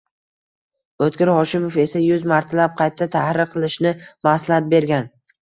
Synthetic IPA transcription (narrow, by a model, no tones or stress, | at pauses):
ɵt̪kʲɪɾhɒʃɪmofe̞sajʊzmaɾt̪ʰalap̚qʰɑjt̪ʰːat̪ʰahɾɪqʰɨlˠɪʃnɪmaslahat̪̚be̞ɾɡʲan